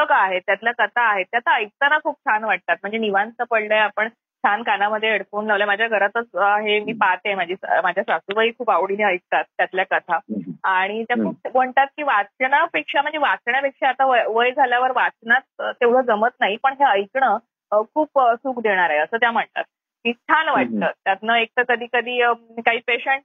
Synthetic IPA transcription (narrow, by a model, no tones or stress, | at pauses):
səkaːɦet̪jat̪ljakət̪ʰaːɦet̪jat̪aəjk̚t̪anakʰuːp̚t͡sʰanʋaʈ̚t̪at̪̚m̤əɳd͡zeniʋant͡s̪əpəɽləjeapəɳ | t͡sʰankanaməd̪ʱːjeeɽfuːnlaʋljamad͡ʑʱjaɡʱəɾat̪ət͡saɦemiːpat̪emad͡ʑʱiːmad͡ʑʱjasʋasubaiːkʰuːpaʋɽineəjk̚t̪at̪̚ːjat̪ljakət̪ʰaaɽ̃it̪jakʰuːp̚m̤əɳt̪at̪̚kiːʋat͡sɳjapekʂam̤əɳd͡zeʋat͡sɳjapekʂaːt̪aʋəʋəjd͡zʱaljaʋəɾʋat͡snat̪̚ːeʋɽ̤əːd͡zəmət̪naɦipəɳɦeəjkɳə | kʰuːpsuːkd̪eɽ̃aɾaɦeəsəːt̪̬jam̤əɳt̪a̰t̪̚ | kiːst̪ʰanʋaʈ̚t̪əːt̪t̪ːjat̪nəek̚t̪əkəd̪ʱiːkəd̪ʱiːkaɦiːpeɕeɳʈ̚